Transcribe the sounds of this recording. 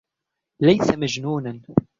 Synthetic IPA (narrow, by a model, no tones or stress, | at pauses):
lajsamad͡ʒnuːnan